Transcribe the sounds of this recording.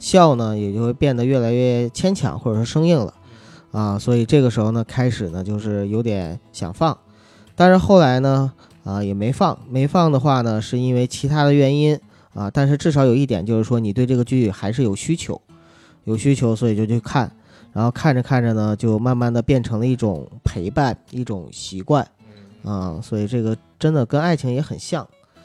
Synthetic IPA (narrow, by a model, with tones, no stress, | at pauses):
ɕjɑ˥˩ʊnə˩jɛ˨˩t͡ɕjo˥˧xwe˥˧ɪpjɛ˥˩nd̪ə˩ɥɛ˥˩la˧˥ɪɥɛ˥˩t͡ɕʰjɛ˥nt͡ɕʰjɑ̰˧˥ŋxwɔ˥˩ʈ͡ʂɤ˨˩ʂɔ˥˧ʂɤ˥ŋi˥˩ŋlə̰˩ | ə˧swɔ˧˥i˨˩ʈ͡ʂɤ˥˩ɡə˩ʂɻ̩˧˥xo˧ʊnə˩kʰa˥ɪʂɻ̩˨˩nə˦t͡ɕjo˥˧ʊʂɻ̩˥˩jo˧˥ʊt̪jɛ˧˥nɕjɑ̰˨˩ŋfɑ˥˩ŋ | t̪a˥˧nʂɻ̩˥˧xo˥˩ʊla˧˥ɪnə˧ | ə˧jɛ˨˩me˧˥ɪfɑ˥˩ŋme˧˥ɪfɑ˥˩ŋd̪ə˩xwa˥˩nə˩ʂɻ̩˥˩˧i˥nwe˥˩ɪt͡ɕʰi˧˥t̪ʰa˥d̪ə˨ɥɛ˧˥ni˥n | ə˧t̪a˥˧nʂɻ̩˥˧ʈ͡ʂɻ̩˥˩ʂ̬ɑ˧˥ʊjo˨˩ʊi˥˩t̪jɛ˨˩nt͡ɕjo˥˧ʊʂɻ̩˥˩wɔ˥ni˨˩t̪wɪʈ͡ʂɤ˥˩ɡə˩t͡ɕy˥˩˥xa˧˥ɪʂ̬ɻ̩˥˩jo˨˩ʊɕy˥t͡ɕʰjo˧˥ʊ | jo˨˩ʊɕy˥t͡ɕʰjo˧˥ʊswɔ˧˥i˨˩t͡ɕjo˥˧˩t͡ɕʰːkʰa˥˩n | ɻa˧˥nxo˥˧ʊkʰa˥˩nʈ͡ʂə˩kʰa˥˩nʈ͡ʂə˩nə˩t͡ɕjo˥˧ʊma˥˧nma˥˩nd̪ə˩pjɛ˥˩nʈ͡ʂʰɤ˧˥ŋlə˧i˥˩ʈ͡ʂʊ̰˨˩˦ŋpʰe˧˥ɪpa˥˩ni˥˩ʈ͡ʂʊ˨˩˦ŋɕi˧˥kwa˥˩n | ə˥˩swɔ˧˥i˨˩ʈ͡ʂɤ˥˩ɡə˩ | ʈ͡ʂə˥nd̪ə˨kə˥na˥˩ɪt͡ɕʰi˧˥ŋjɛ˧˥xə˨˩nɕjɑ˥˩ŋ